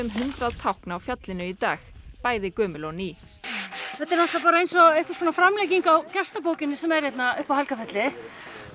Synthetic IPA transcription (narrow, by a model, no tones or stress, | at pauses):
ʏmɦʏnt̪ɾaðt̪ʰawhknaawfjat̪lɪnʏit̪aːxpaːjðɪkœːmʏlɔni | θɛt̪ɛɾnahst̪apaːɾaejnsɔejhkaskʰɔnafɾamlɛjciŋkawcɛ̥st̪ap̬oːwcɪnːɪsɛmɛɾ̥jɛjt̪naʏhpawhalkafɛt̪lɪ